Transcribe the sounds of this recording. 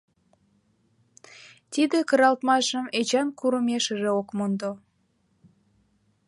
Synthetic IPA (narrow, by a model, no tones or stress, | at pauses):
t̪id̪ekə̆ɾɑlt̪mɑʃəmet͡ɕɑnkuɾəmeʃəʒeokmond̪o